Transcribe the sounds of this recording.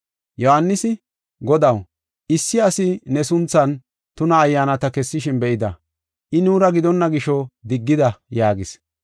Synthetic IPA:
jɔhanːɪsɪ | ɡɔd̪ɐw | ʔɪsːɪɐsɪnɛsʊnt͡sːɐn | t̪ʊnɐːjːaːnɐt̪ɐkɛsːɪʃɪnbɛʔɪd̪ɐ | ʔɪnuːɾɐɡɪd̪ɔnːɐɡɪʃɔd̪ɪɡːɪd̪ɐjaːɡɪs

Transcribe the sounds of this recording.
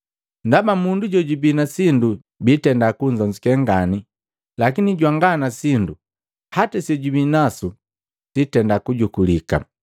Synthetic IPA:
ndabamunduɟɔɟubinasindu | bitɛndakuɲd͡ʒɔɲd͡ʒikɛŋɡani | lakiniɟwaŋɡanasindu | hatasɔɟubinasu | sitɛndakuɟukulika̰

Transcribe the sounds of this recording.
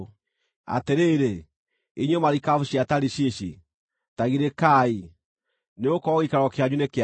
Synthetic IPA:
a̰teɾeːɾe | iɲomaɾikafuɕiataɾiɕeɕi | taɣiɾekai | neokɔɣikaɾɔkeaɲuneke

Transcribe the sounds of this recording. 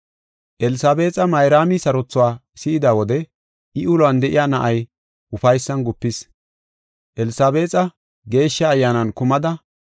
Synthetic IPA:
ʔɛlɪsaːbe̞ːt͡sʼɐmɐjɾaːmɪsɐɾɔt͡sːʊwaː | sɪɪd̪aːwɔd̪ɛ | ɪʊlɐnd̪ɛʔɪjaːnɐʔɐj | ʔʊfɐjsːɐnɡʊpːɪs | ʔɛlɪsaːbe̞ːt͡sʼɐ | ɡe̞ːʃːɐːjːaːnɐnkʊmɐd̪ɐ

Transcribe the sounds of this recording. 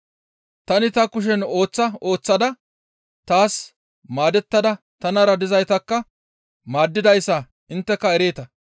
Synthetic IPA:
t̪ɐnɪt̪ɐkʊʃ̬ɛno̞ːt͡sːɐo̞ːt͡sːɐd̪ɐ | t̪aːs | maːd̪ɛt̪ːɐd̪ɐ | t̪ɐnɐɾɐd̪ɪzɐjt̪ɐkːɐ | maːd̪ːɪd̪ɐjsːɐ | ɪnt̪ːɛkːɐɛɾe̞ːt̪ɐ

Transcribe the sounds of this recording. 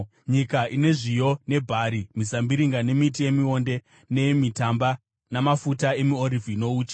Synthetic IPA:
ɲikaʔine̞ʐijo̞ne̞bʱaːɾimisambiɾiŋɡane̞mitije̞mio̞nde̞ | ne̞mitamba | namafutae̞mioɾivʱino̞uːt͡ʃḁ

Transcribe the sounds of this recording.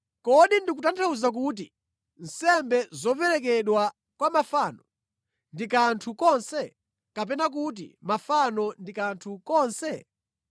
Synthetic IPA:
kɔɗindikutantʰauzak̬ut̬i | n̩sɛmbɛzɔpɛɾɛkɛɗwa | kwamafaːnɔ | ndikantʰukɔnsɛ | kap̬ɛnak̬ut̬ḭmafanɔndikantʰukɔːnsɛ

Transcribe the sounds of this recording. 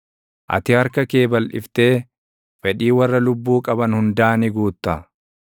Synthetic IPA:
ʔɐ̰t̪ɪɐɾkɐke̞ːbɐlʔɪ̰ft̪e̞ː | fɛᶑiːwɐrːɐlʊbːuːkʼɐbɐnhʊnd̪aːnɪɡuːt̪ːɐ

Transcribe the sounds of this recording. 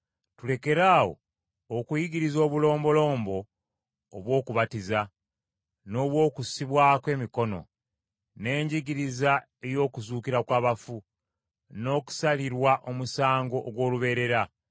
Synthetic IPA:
tule̞ke̞ɾaːwo̞̰ː | kujiɡiɾizo̞ːβulo̞ːmbo̞lo̞ːmbo̞ː | βwo̞ːkuβatiza | no̞ːβwo̞ːkussiβwaːkwe̞ːmiko̞no̞̰ | ne̞ːɲɟiɡiɾiza | e̞jo̞ːkuzuːkiɾakwaːβafu | no̞ːku̥saliɾwaʔo̞musaːŋɡo̞ʔːɡwo̞ːluβe̞ːɾe̞ɾa

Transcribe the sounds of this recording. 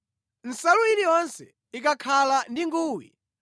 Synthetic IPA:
n̩saluiɾijɔnsɛ̰ | ikakʰalandiŋɡuːwḭ

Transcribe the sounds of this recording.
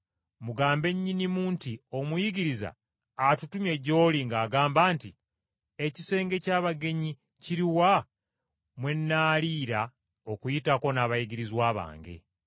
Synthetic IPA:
muɡaːmbe̞ɲːinimuːntio̞mujiɡiɾiza̰ː | tutumje̞ɟo̞ːliŋɡaːɡaːmbaːnti | e̞cise̞ːŋɡe̞caːβaɡe̞ɲi | ciɾiwa | mwe̞nːaːliːɾa | okujitako̞naβajiɡiɾizwaːβa̰ːŋɡḛ

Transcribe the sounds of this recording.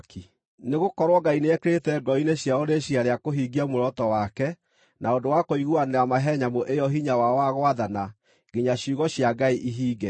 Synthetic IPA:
ki | neɣokɔɾwɔɡaineɛkeɾetɛɡɔineɕjaoɾeɕiaɾeakoɦiɡiamoɾɔtɔwakɛ | naodowakoiɣuaneɾamaɦɛɲamoʔejɔɦiɲawawaɣwaðana | ɡeɲaɕuɣɔɕjaɡaiʔiɦiːɡɛ

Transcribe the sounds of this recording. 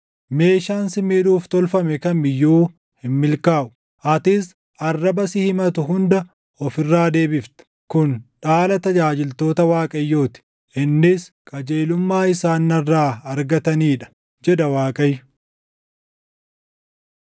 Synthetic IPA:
me̞ːʃaːnsɪmiᶑuːft̪ɔlfɐmɛkɐmɪjːuː | hɪmːɪlkaːʔʊ | ʔɐt̪ɪs | ɐrːɐbɐsɪhɪmɐt̪ʊɦʊnd̪ɐ | ɔfɪrːaːd̪e̞ːbɪft̪ɐ̥ | kʊnᶑaːlɐt̪ɐd͡ʒaːd͡ʒɪlt̪o̞ːt̪ɐwaːkʼɐjːoːt̪ɪ̥ | ɪnːɪskʼɐd͡ʒeːlʊmːaːɪsaːnːɐrːaːɐɾɡɐt̪ɐniːᶑɐ̥ | d͡ʒɛd̪ɐwaːkʼɐjʊ

